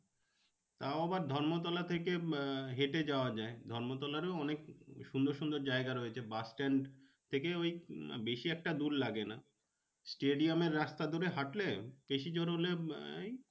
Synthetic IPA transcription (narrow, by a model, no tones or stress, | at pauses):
t̪aoabaɾd̪ʱɔɾmot̪ɔlat̪ʰekeɦeʈed͡ʑaoad͡ʑaed̪ʱɔɾmot̪̬ɔlaɾeɔnekʃund̪oɾʃund̪oɾd͡ʑaeɡaɾoet͡ɕʰebasʈeɳɖ | t̪ʰekeojbeʃiɛk̚ʈad̪ullaɡena | sʈeɖiameɾːast̪ad̪ʱoɾeɦaʈlebeʃid͡ʑoɾolej